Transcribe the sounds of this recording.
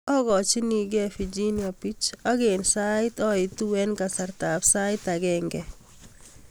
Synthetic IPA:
ɔ˦ɣɔ˨t͡ʃɪ˦ni˨ɡɛ˦fi˨d͡ʒi˦nja˨pi˦t͡ʃɔ˦ɡe˨nsa˦ɪtɔ˦ɪ˨tu˦wɛ˦nka˨sa˨ɾta˨psa˦ɪta˨ɡɛŋɡɛ˨

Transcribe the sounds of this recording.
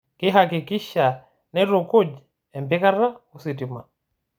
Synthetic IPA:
ki˦ɦaki˨ki˦ʃa˨ | nɛ˦ɾɔ˨ku˦d͡ʒ | ɛ˨mbi˦ka˦ɾa˦usiti˨ma˨

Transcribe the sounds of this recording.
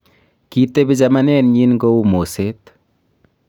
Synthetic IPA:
ki˨t̪ːe˦bi˦t͡ʃa˨ma˦nɛ˦nɲi˦nŋɡo˦u˦mo˨se˦t̪

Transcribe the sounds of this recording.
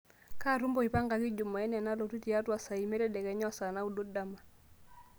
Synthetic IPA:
ka˦ɾu˦mbɔ˦i˨pa˦ŋɡa˨ki˦d͡ʒu˨mɔ˨ɛ˦nɛ˨na˦lɔ˨tu˦ti˨a˦twa˨sa˨i˨mɛ˦ɾɛ˦dɛ˨kɛ˨ɲɔ˦sa˨na˦u˨do˦da˦˨ma˨

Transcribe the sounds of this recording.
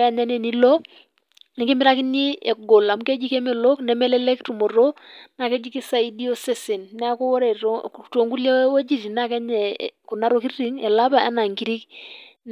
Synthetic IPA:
a˦ɲa˦nɛ˦˨ni˦lɔ˦ | nɛ˨ŋɡi˦mɪɾa˦ki˦ni˦ɛ˨ɡo˨la˨mu˦kɛ˦d͡ʒi˦kɛ˦mɛ˨lo˦knɛ˨mɛ˦lɛ˦lɛ˦ktu˨mɔ˨ɾo˦na˨kɛ˦d͡ʒi˦ki˦sa˨i˦di˦o˦sɛ˦sɪ˨nnɛ˦a˦kɔ˦wɔ˦ɾɛ˨to˨ŋɡu˦lja˦wo˦d͡ʒi˨ri˨na˦˨kɛ˦ɲɛ˨ku˨na˦ɾo˦ki˦i˦ŋɛ˨la˦ba˨a̰˦na˨ŋɡi˦ɾi˦kn

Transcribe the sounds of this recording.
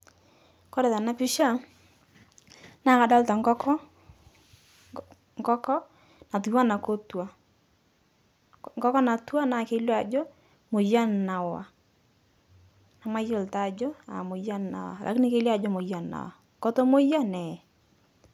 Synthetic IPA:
kɔ˦ɾɛ˨ða˨na˦pɪ˦ʃa˦˨ | na˦˨ka˨dɔ˦lta˨ŋɡɔ˦kʰɔ˦ | ŋɡɔ˦kɔ˦ | na˨t̬u˨wa˦na˨ko˦twa˨ | ŋɡɔ˦kɔ˦na˨twa˦na˨ke˦la˨d͡ʒo˦ | mo˨ja˦nna˨wa̰˨ | na˨ma˦jo˨lta˨d͡ʒo˦a̰˨mo˨ja˦nna̰˨wa̰˨lʔa̰˨knɪ˦ke˦lja˦˨d͡ʒo˦mo˨ja˨na̰˨wa̰˨ | ko˦to˦mo˦ja˦nɛ˨

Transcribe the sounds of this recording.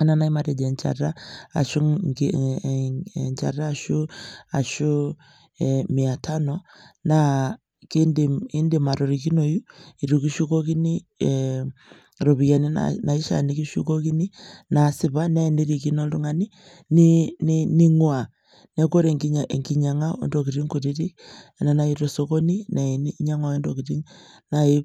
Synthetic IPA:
a˦na˦na˦i˦maɾɛ˨d͡ʒɛ˨ɲt͡ʃa̰˨ɾa˦a˨ʃu˦ | ɲt͡ʃa̰˨raː˦˨ʃu˦a˨ʃu˦ | ɛmi˨a˨tʰa˦nɔna | ki˦ndi˨i˦ndi˨ma˨ɾɔ˨ɾi˨ki˦nɔ˨ju˦i˨ɾu˨ki˦ʃu˦kɔ˦ki˦ni˦ | ɾo˨βi˨ɣa˨ni˦na̰na˨i˦ʃa̰˨ni˦ki˦ʃṵ˦ko˦ki˦ni˦na˨si˨βa˦na˦i˨ne˦ɾi˨ki˦no˦lu˦ŋa˨ni˦ | ninini˦ŋwa˨ | ne˦ko˦ɾe˨ŋie˨ŋki˨ɲa˨ŋa˦o̰˦ndok̬i˨ɾi˦ŋku˨ɾi˦ɾi˦˨na˨na˦i˦ɾo˨so˦ko˦ni˦na˨i˨nː˦ɲa˦ŋwa˨e˦ndo˨ki˨ɾi˦ŋ | nai˦

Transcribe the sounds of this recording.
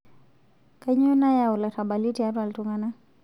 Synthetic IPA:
ka˦ɲɔ˦na˦jau˨la˨taɓali˦tia˦ɾu˦a˨ltuŋana˦

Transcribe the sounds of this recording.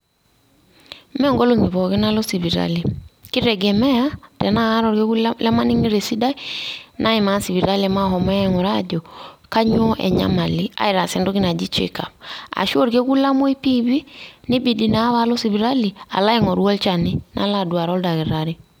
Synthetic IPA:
mɛ˦ŋɡo˦lo˦˨ŋi˨βɔ˨ɣi˦na˦lo˦si˨βi˨ɾa̰˦li˨ki˦ɾɛ˨ɡɛ˨mɛ˦a˦dɛ˨naː˦ɾɔ˨ɾɡe˦u˦lɛ˦ma˦ni˦ŋi˦ɾe˨si˦da˦i˦nʔa˦i˨ma˨˦si˨βi˨ɾa˦lɛ˨ma˦ɦɔ˨mɛ˦ɛ˨ŋɔ˨ɾa˦ɟɔ˨ka˦ɲ˦o˦ʔɛ̰˨ɲa̰˦ma˨li˦a̰˦i˦ɾa˨sɛ˨ndɔ˦ɡi˦na˨d͡ʒi˦t͡ʃḛ˨ka̰˨pa̰˨ʃu˦o˦ɾɡe˦ku˦la˦mo˦i˦pi˦βi˦ni˦bi˨di˨na˨˦βa˦lo˦si˨βi˨ɾa˦li˨a̰˨la˦ɛ˨ŋɔ˨ɾu˦a˦lt͡ʃa˨ni˦na̰˦la˨du˨a˨ɾɔ˦lda˨ɣi˨ɾaɾi˨

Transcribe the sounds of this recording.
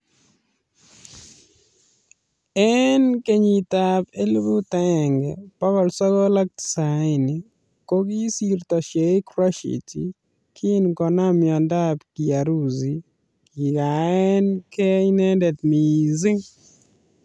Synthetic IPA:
ɛnke˦ɲi˨t̪a˨pe˦lu˦bu˦t̪ɛ˨ŋɡɛpa˦wɔ˨lsa˦ɡɔ˦la˦k̚tsa˨ɪ˨ni˨ | ko˦ɡi˦si˦rt̪ɔ˨ʃe˨i˦kɾɔ˦ʃḭ˨tḭ˨ | kʰi˦nkɔ˨na˦mjɔ˨nda˦pki˨a˨ɾu˦zi˨ | ki˨ɡa˨ɛ˦nkɛ˦i˦nɛ˦ndɛ˨tmi˨zɪ˦ŋ

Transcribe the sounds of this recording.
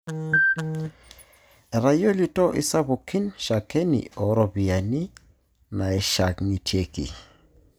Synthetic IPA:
ɛ˨ɾa˨jo˦li˨to˦ʔḭ˦sa˦bu˨kːi˦nʃa˨ke˦nḭ˨o˨ɾo˨bi˨a˨ni˦ | na˨ɛ˨ʃa˨kŋi˨tʰje˦kḭ˨

